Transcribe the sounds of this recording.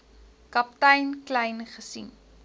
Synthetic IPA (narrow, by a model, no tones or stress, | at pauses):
kɐp̚tɐjnklɐjnχəsḭn